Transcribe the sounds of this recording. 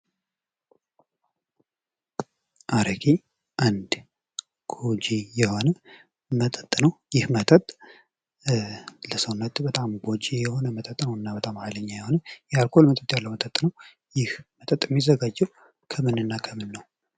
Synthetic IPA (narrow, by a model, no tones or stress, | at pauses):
ʔaɾəkʰi | ʔand̪ | ɡ̥od͡ʒijɛho̞nə | mət̪ʼət̪ʼnəwjɪhmət̪ʼət̪ʼ | ləsəwnːət̪bət̪ʼamɡo̞d͡ʒijɛho̞nəmət̪ʼət̪ʼːnəwɨnːabət̪ʼamaləɲːajɛho̞nəjɛalkʰo̞lmət̪ʼət̪ʼjalːəwmət̪ʼət̪ʼːnəw | jɪhmət̪ʼət̪ʼmːizəɡad͡ʒːɛw | kʰəmɨnɨnːakʰəmɨnːəw